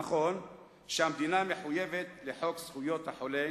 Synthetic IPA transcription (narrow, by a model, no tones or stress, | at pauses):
aχo̞n | ʃehamd̪inameħuje̞vet̪leħo̞ksχujo̞t̪haħole